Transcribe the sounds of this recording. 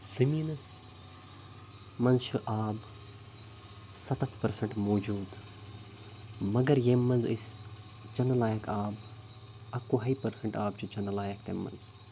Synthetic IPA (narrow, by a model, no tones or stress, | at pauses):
siminɐs | mɐnzt͡ʃʰuʔaːb | sɐt̪ɐt̪ʰpɐɾsɐ̃ɳʈmoːd͡ʒuːd̪ | mɐɡɐɾjemːɐnzḭs | d͡ʒɐnɐlaːjɐkaːb | ɐkːuɦɐipɐɾsɐɳʈaːb̚t͡ʃʰud͡ʒɐnlaːjɐk̚t̪emːɐ̰nz